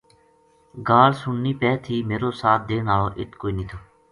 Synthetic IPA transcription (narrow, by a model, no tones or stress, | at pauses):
ɡaːlsʊnːiːpɛːt̪ʰiːmeːɾoːsaːt̪̚d̪eːnaːoːʔɪt̪ʰkoːiːnĩːt̪ʰoː